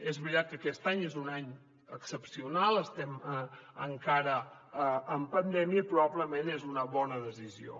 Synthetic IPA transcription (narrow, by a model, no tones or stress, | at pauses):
ezβɾit̪at̪̚kəkɛst̪aɲezunaɲ | əksəpsiunalˠəst̪ɛməŋkaɾəː | mpənd̪ɛmiəipɾuβaβləmenezunəβɔnəðəzizio̰